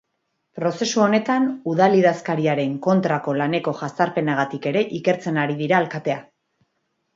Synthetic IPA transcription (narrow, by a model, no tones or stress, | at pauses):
pɾo̞se̞suo̞ne̞t̪anuðaliðaskaɾiaɾe̞ŋko̞nt̪ɾako̞lane̞ko̞ʝast̪aɾpe̞naɣat̪ike̞ɾe̞ʔike̞ɾt͡se̞naɾiðiɾaːlkat̪e̞a